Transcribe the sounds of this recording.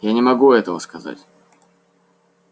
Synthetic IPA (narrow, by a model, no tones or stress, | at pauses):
janʲɪmɐɡuɛt̪əvəskɐza̰tʲ